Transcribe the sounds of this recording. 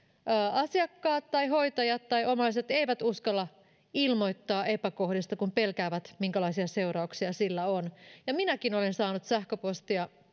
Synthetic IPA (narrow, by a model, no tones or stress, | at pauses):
ɑsiɑkːɑːt̪ːɑjɦo̞it̪ɑjɑt̪ːɑjʔo̞mɑiset̪eiʋæt̪uskɑlːɑ | ilmo̞jt̪ːɑːʔepæko̞hdist̪ɑkumpelkæːʋæt̪miŋkælɑisiɑse̞uɾɑuksiɑsilːæonjɑminækinolensɑːnut̪sæhkøpost̪iɑ